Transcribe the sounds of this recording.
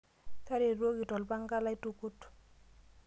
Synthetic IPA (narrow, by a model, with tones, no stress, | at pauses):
ta˦ɾe˨ɾwo˦ki˨tɔ˨lba˦ŋka˦la˦i˦tu˦ku˦t